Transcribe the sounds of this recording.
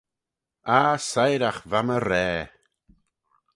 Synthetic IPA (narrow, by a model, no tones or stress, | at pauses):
asajɾaχvaməɾɛː